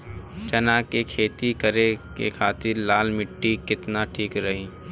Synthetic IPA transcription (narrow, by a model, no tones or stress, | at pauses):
t͡ʃɐnaːkekʰeːt̪ikəɾekḛkʰaːt̪ɪɾlaːlmɪʈːikɪt̪naʈʰiːkɾɐɦiː